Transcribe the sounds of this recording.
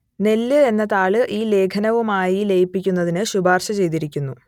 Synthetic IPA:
ne̞lːɨe̞nːɐt̪aːɭɨʔiːle̞ːkʰɐnɐʋumaːjilejipːikʲːunːɐðinɨɕubaːrɕɐt͡ɕe̞jt̪iɾikʲːunːu

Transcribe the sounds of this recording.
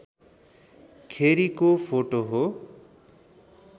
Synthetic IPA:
kʰeɾikopʰoʈoɦo

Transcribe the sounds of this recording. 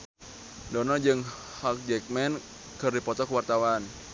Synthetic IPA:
dɔnɔd͡ʒɨŋ | hak̚d͡ʒɛk̚mɛn | kərdipɔt̪ɔkuwart̪awan

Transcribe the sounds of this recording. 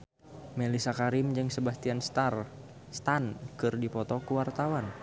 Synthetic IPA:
melisakaɾimd͡ʒɨŋsəbast̪ianst̪ar | st̪ankɨrdipɔt̪ɔkuwart̪awan

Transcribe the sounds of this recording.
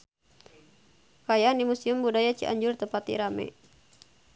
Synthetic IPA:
kajanimusiumbudajat͡ʃḭʔa̰ɲd͡ʒʊrt̪əpat̪ḭɾamɛ̰

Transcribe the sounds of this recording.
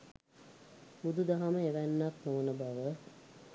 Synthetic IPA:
bud̪ud̪aɦaməeʋænːat̪noʋənəbaʋə

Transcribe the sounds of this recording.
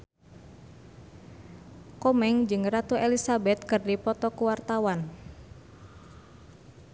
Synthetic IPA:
kɔmɛŋd͡ʒɨŋrat̪uelisabɛt̪̚kɨrdipɔt̪ɔkuwart̪awan

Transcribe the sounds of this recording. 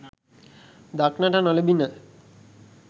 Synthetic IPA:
d̪aknaʈanɔlebinə

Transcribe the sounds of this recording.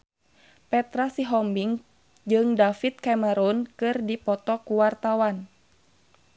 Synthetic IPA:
pɛt̪ɾasiɦɔmbiŋ | d͡ʒɨŋdafit̪̚kamɛɾɔnkɨrdipɔt̪ɔkuwart̪awan

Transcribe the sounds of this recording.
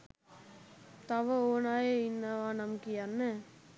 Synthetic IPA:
t̪ɐʋɐoːnaːjeɪnːɐʋaːnɐmkijanːɐ

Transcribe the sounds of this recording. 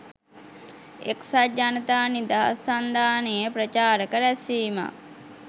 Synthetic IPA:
ḛksad͡ʒanət̪aːnid̪aɦa̰sːand̪aːnejəpɾət͡ʃaːɾəkəɾæsiːma̰

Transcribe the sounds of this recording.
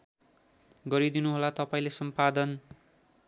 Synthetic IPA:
ɡʌɾid̪inuɦolat̪ʌpaĩlesʌmpad̪ʌn

